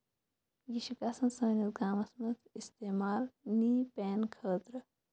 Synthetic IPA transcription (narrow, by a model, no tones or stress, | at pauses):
jiʃikaːsɐnsɐːnɐt̪ɡaːmɐsmɐt̪ist̪eːmaːlniːpɛːnkʰəːt̪ɾ